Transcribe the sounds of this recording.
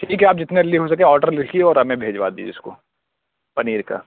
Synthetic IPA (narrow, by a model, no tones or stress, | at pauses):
ʈʰiːkɦɛaːp̚d͡ʒɪt̪neɾɪliɦos̬ɐkẽɔːɾʈəɾlɪkʰkieɔːɾɦɐmẽbʱeːd͡ʒʋa̰d̪ḭːʊsko̰ | pɐniːɾka̰ː